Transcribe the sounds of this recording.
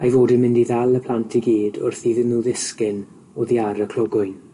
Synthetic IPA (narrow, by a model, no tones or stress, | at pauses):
ajvoːdɪnmɪndiðalˠəpʰl̥ˠantʰɪɡiːdʊrθiːðɪnuːðɪskɪn | ɔðiaɾəkʰl̥ˠɔɡʊjn